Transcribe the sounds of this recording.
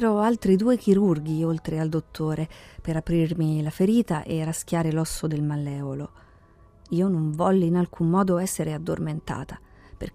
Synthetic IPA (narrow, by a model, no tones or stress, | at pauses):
ɾoalt̪ɾid̪uːek̟iɾurɡiolt̪ɾeald̪ot̪ʰːoːɾepeɾapɾirmilafeɾiːt̪aʔerask̟ʲjaːɾelɔsːod̪elmalːɛːvolo | iːonoɱvɔlːinalkʰumːɔːd̪oɛsːeɾead̪ːo̰rment̪a̰ːt̪a | pḛr